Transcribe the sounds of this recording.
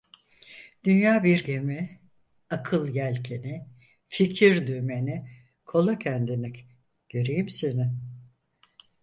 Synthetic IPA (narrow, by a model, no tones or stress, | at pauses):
d̪̥ynjaːbiɾɟe̞mi | akʰɯlˠjælʲcʰenɪ | ficʰiɾd̪yme̞nɪ | kʰo̞lˠacʰænd̪inic | ɟ̥øɾejimsenɪ